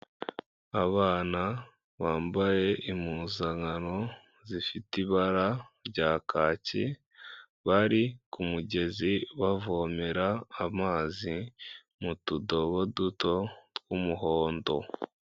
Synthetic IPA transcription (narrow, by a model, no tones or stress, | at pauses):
aβaːna | βaːmbaje̞ʔimuːzaŋano̞ | zifitiβaɾaɾɟaːkʰaːci | βaɾikumuɟe̞ziβavo̞meɾaːmaːzi | mutudo̞βoduto̞tɡwumuɦo̞ːndo̞̰